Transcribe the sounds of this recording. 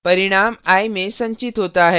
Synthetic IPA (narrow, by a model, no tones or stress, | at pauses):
pəɾiɽ̃amajmesə̃ɲt͡ɕit̪ɦot̪aaɦe